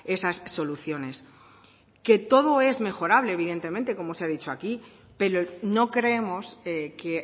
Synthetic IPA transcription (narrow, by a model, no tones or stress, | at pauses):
e̞sasːo̞luθjo̞ne̞s | ke̞t̪o̞ðo̞e̞zme̞xo̞ɾaβle̞ːβiðent̪e̞mẽnt̪e̞ko̞mo̞seaðit͡ʃo̞aki | pe̞ɾono̞kɾeemo̞seke